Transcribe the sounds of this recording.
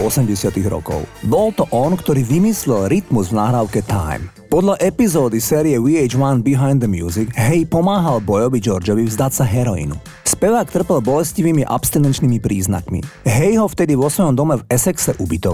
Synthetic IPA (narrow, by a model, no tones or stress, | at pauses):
ɔsɛmɟɛsɪat̪iɣɾɔ̰kɔ̰ʊbɔlt̪ɔʔɔnkt̪ɔɾiːʋimislɛlɾit̪muzvnaːɦɾaːʊkɛt̪a̰ɪm | pɔd̪ʎaʔɛpizɔːd̪isɛːɾiɛwiɛd͡ʒwanbiɦaɪnd̪əmjuːziɡɦɛjpɔmaːɦalbɔjɔʋid͡ʒɔɾd͡ʒɔʋivzd̪acsaɦɛɾɔḭnṵ | spɛʋaːkt̪r̩pɛlbɔlɛsciʋiːmiʔa̰pst̪inɛnt͡ʃniːmipɾiːzna̰kmḭɦɛjɦɔft̪ɛd̪iʋɔsʋɔjɔmd̪ɔmɛvɛsɛksɛʔubit̪ɔ